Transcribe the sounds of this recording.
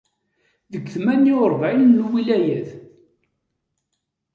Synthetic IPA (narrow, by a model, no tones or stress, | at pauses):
ðəɡθmænːiɾˤvʕilnːwilæjæð